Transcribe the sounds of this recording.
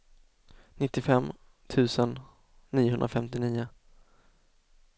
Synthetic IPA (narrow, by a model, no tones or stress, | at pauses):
nɪt̪ːɪfɛmː | t̪ʰʉ̟ːsənː | iːʊɦɵnd̪ɾafɛmt̪ɪniːʊ